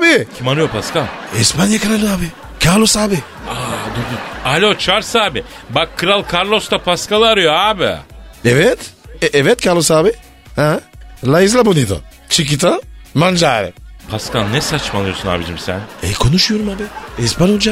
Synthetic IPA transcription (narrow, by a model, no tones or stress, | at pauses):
aːbicʲʰimanɯjopʰaskaɛspanjakɯɾalʲˠɯaːbi | kʰaɾlˠosaːbi | ad̪okʲialʲot͡ʃʰaɾsaːbibakʰːɯɾalˠkʰaɾlˠost̪apʰaskalˠaɾɯjoaːbḭɛvɛt̪ʔɛvɛt̪̚cʰaɾlˠosaːbi | hɛlˠajizlˠabunid̪o̰ | t͡ʃʰik̬it̪amand͡ʒaːɾḭpʰaskannɛsat͡ʃmanˠɯjosuna̰ːbid͡ʒimsæ̰nɛ̰jkʰo̞nuʃujo̞ɾumaːbiɛspanud͡ʒa